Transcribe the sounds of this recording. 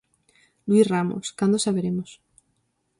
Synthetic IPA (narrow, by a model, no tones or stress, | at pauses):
lwisramo̰skand̪osaβeɾemos